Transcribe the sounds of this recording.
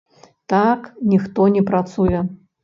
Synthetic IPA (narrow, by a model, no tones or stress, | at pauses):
t̪aknʲixt̪ɔnʲɛpɾat̪sujɛ